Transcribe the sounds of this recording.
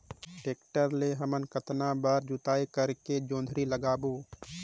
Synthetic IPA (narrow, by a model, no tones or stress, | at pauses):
ʈeːkʈəɾleɦəmənkət̪nabaːɾd͡ʒʊt̪aːikəɾked͡ʒõːnd̪ʱɾiləɡaːboː